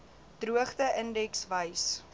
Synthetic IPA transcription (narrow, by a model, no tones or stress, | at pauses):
d̥ruəχdəʔəndɛksvəjs